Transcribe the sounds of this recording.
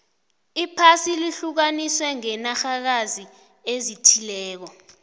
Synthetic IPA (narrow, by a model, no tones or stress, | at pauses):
ipʰasiliɬuk̬aniswɛŋɛnaxak̬azi | ezitʰilɛːk̬ɔ